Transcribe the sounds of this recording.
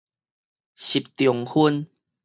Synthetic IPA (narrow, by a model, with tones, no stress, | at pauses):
ɕi˨˩p̚t̪jɔ˨˩ŋhu˦n